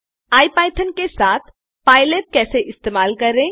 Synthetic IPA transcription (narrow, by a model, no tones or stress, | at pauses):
aːipaːɪʈʰənkesaːt̪ʰ | paːɪleʈ̚kɛːseʔɪst̪eːmaːlkɐɾːẽː